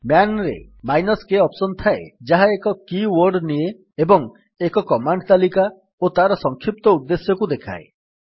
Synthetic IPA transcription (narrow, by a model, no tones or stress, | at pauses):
manɾḛ | majnɔskeɔpsɔnt̪ʰaed͡ʒaɦaekɔkiwɔɾɖnie | ebɔŋ | ekɔkɔmaɳɖt̪alika | ot̪aɾɔsɔŋkʰip̚t̪ɔud̪ːesjɔkud̪ekʰa̰ḛ